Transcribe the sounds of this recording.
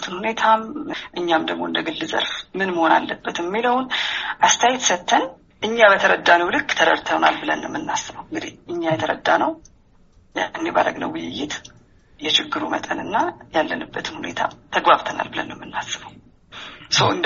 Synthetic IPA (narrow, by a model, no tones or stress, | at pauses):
t̪ʰɨnhune̞t̪ʰamʔɨɲːamd̪əɡmo̞ɨnd̪əɡɨlːɨzə̰ɾfmɨnməho̞na̰lːəbːət̪jɛmːiləwnʔast̪ʰajɪt̪sət̪ʰːən | ʔɨɲːabət̪ʰəɾəd̪ːanəwlɨkːt̪ʰəɾəɾt̪ʰəwnalbɨlənːəmːɨnːasːəβəwɨŋɡɨd̪ihʔɨɲːajɛt̪ʰəɾəd̪ːanəw | janːeba̰ɾə̰ɡnə̰wʊjɪjːɪt̪ | jɛʃɪɡːɨɾumə̰t̪ʼənɨnːajalːənɨbːət̪ʰɨnhune̞̰t̪ʰa̰mt̪ʰəɡbaβt̪ʰəna̰lbɨlənːəmːɨnːasːəβəw | səwɨnd̪